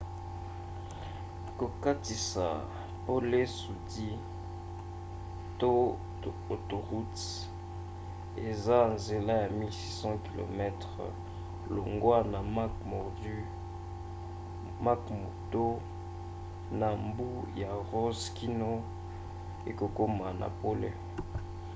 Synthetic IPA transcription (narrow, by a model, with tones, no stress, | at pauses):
ko˨ka˦ti˨sa̰˨ | po˦le˦su˨di˦ | to˦ | o˨to˨ʁu˦t | e˨za˦nze˨la˦ja˨mi˦lsi˦sɑ̃˦ki˨lo̰˨mɛ˦tʁə̰˨ | lo˨ŋɡwa˦na˨ma˦kmo˨d | ma˦kmo˨to˦ | na˨mbu˦ja˨ʁo˦ski˦no˦ | e˨ko˨ko˦ma˨na̰˨po˦lḛ˦